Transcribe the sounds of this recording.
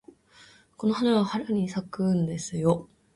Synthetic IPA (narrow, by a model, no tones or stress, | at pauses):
ko̞nohanaβahaɾaɲ̟isakɯ̃nd̪e̞sɨjo